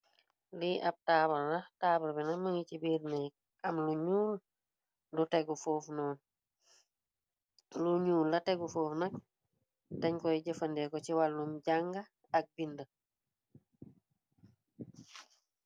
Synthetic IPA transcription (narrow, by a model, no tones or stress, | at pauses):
liʔap̚taːbɐɾːɐtaːbɐɾbɛnɐməŋicibiːɾnɛk̚ | ɐmluɲuːl | lutɛɡufoːfnɔːn | luɲuːllɐtɛɡufoːfnɐk̚ | tɐɲkɔiɟɐfɐndɛkɔciwalːumɟaŋɡɐː | k̚bində